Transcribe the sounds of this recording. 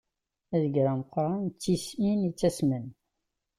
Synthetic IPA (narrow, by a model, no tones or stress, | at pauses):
æðəɡɾæmqːɾˤant͡sːisinit͡sːæsmən